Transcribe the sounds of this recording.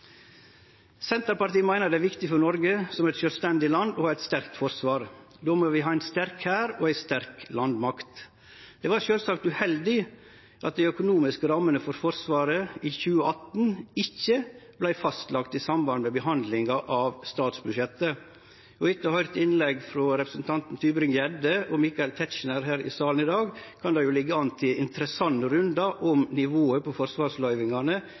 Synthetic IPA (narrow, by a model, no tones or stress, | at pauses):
sɛnt̪əɾpɑɾʈ̪iːəmæɪnəd̪ɛæːʋɪkt̪ɪfɔɾnɔɾɡəsɔmɛt̪ʃœːlst̪ɛnd̪ɪlɑnd̪ɔhɑːɛɪt̪st̪æɾkt̪fɔɾsʋɑːɾ | d̪oːmoːʋɪɦɑːæɪnst̪æɾkhæːɾɔæɪst̪æɾklɑnd̪mɑkt̪ | d̪̥ɛːʋɑɾʃøːlsɑkt̪ʉhɛld̪ɪ | ʔɑt̪̚d̪æɪœkʊnuːmɪskəɾɑmːənəfɔɾfɔɾsʋɑːɾəiːçʉːəʔɑt̪n̩ɪçːəb̥læɪfɑst̪lɑkt̪ɪsɑmbɑnmɛbəɦɑnd̪lɪŋɑʔɑʋst̪ɑːt̪sbʉʃɛt̪ːə | ɔɪt̪ːəhœʏɾt̪ɪnlɛɡfɾɔɾɛpɾəsn̩t̪ʰɑnt̪n̩t̪ʰyːbɾɪŋjɛd̪əɔmɪkɑɪlt̪ʰɛt̪ʃnəɾɦæːɾɪ̰sɑːln̩ɪd̪ɑːɡkʰɑnd̪ɑjʊlɪɡːəɑnt̪ʰɪɪnt̪əɾəsɑnːəɾʉnd̪ɑʔɔmnɪʋoːəpʰɔfɔɾsʋɑːɾslœʏʋɪŋɑnə